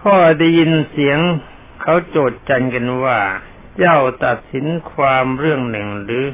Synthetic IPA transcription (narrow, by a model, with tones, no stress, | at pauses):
pʰɔː˧˩da˧˩ji˧nsi˩˦əŋ | kʰa˨˥wt͡ɕoː˨˩t̪̚t͡ɕa˧nka˧nwaː˧˩ | t͡ɕa˧˥˩wt̪a˨˩t̪̚si˨˩˦nkʰwaː˧mɾɯ˥˩əŋnɯ˨˩ŋɾɯː˨˦